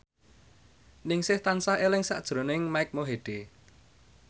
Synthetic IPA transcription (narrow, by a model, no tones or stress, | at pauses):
nɪŋsɪht̪ansahelɪŋsa̰ʔd̥ʒ̥ɾo̤nɪŋmaɪk̚moɦeɖ̥e